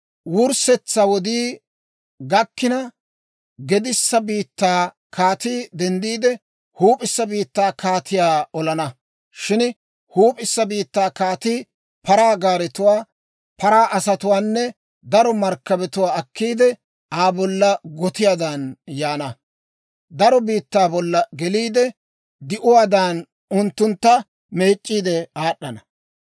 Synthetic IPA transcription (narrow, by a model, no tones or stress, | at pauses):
wʊɾsɛt͡sːɐwɔd̪iː | ɡɐkːɪnɐ | ɡɛd̪ɪsːɐbiːt̪ːaː | kaːt̪iːd̪ɛnd̪iːd̪ɛ | huːpʼɪsːɐbiːt̪ːaːkʰaːt̪ɪjaːɔlɐnɐ | ʃɪn | huːpʼɪsːɐbiːt̪ːaːkaːt̪iː | pɐɾaːɡaːɾɛt̪ʊwaː | pɐɾaːʔɐsɐt̪ʊwaːnːɛ | d̪ɐɾɔmɐɾkːɐbɛt̪ʊwaːɐkːiːd̪ɛ | aːbɔlːɐɡɔt̪ɪjaːd̪anjaːnɐ | d̪ɐɾɔbiːt̪ːaːbɔlːɐɡɛliːd̪ɛ | d̪ɪʔʊwaːd̪aːn | ʊnt̪ːʊnt̪ːɐ | me̞ːt͡ʃʼːiːd̪ɛaːɗːɐnɐ